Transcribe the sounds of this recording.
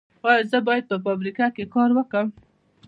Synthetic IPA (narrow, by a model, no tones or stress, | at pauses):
wɑjəzəbɑjad̪̚pəfabɾikakekɑɾwəkəm